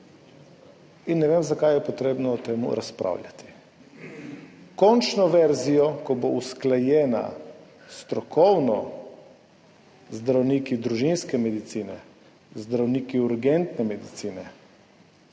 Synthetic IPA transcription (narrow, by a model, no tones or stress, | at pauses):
inːɛʋeːmzakajɛpɔt̪ɾeːbnɔːt̪eːmṵɾaspɾa̰wljʲa̰t̪i̥ | kɔnt͡ʃnɔʋɛɾzijɔkɔbousklajɛːna̰ | st̪ɾɔkʰɔwnɔ | zd̪ɾawnikid̪ɾuʒinskɛmɛd̪it̪siːnɛ | zd̪ɾawniːkiuɾɡɛnt̪nɛmɛd̪it̪siːnɛ